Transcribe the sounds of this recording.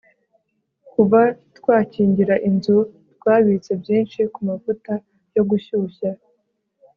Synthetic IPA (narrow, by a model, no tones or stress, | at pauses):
kuvatwaːciːɲɟiɾaʔinzutkwaːβit͡se̞bjiːnʃikumavuta | jo̞ɡuçuːça